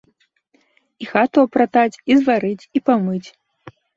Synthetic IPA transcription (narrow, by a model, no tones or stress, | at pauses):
ixat̪ɔɐpɾat̪at͡sʲizvaɾɨt͡sʲipamɨt͡sʲ